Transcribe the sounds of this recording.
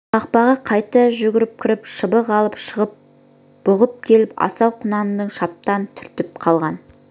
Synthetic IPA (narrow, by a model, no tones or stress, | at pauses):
ɑqpɑʁɑqʰɑjt̪əʒʏɡʲɪɾɪp̚kʲʰɪɾɪpʃəbəʁɑlˠəpʃəʁəp̚ | b̥ʊʁəp̚kʲʰe̞lɪpɑ̰sɑwqʰʊnɑnəd̪əɴʃɑp̚t̪ɑnt̪ʰʏɾt̪ɪp̚qʰɑlˠʁɑn